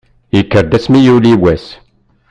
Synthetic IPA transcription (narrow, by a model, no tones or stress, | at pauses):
jəkːəɾd̪æsmijuliwæs